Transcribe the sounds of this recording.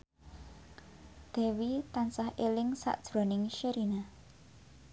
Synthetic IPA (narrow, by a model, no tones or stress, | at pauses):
d̪̥ɛ̤wit̪ansahʔelɪŋsa̰ʔd̥ʒ̥ɾɔnɪŋʃəɾina